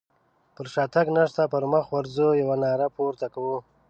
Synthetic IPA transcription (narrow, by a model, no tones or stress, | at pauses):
pəɾʃɑːt̪aɡnaʂt̪apəɾməxwaɾzojawanɑːɾapoɾt̪akawu